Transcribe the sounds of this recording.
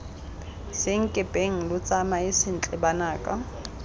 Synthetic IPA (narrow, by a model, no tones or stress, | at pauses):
sɪŋ̩kʼɪpʼeŋ̩lʊt͡sʼamaɪsɪn̩t͡ɬʼɛbanaːkʼa